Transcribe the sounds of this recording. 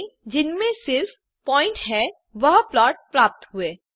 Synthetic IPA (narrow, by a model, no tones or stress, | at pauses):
d͡ʒɪnmẽsɪls | pɔːɪ̃ɳʈɦɛ | ʋɐɦplaːʈ̚pɾaːp̚t̪ɦʊeː